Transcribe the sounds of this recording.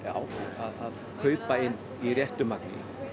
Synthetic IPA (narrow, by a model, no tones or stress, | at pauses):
jaːwaðað | kʰœːɥpaɪnː | irjɛht̪ʏmaknɪ̰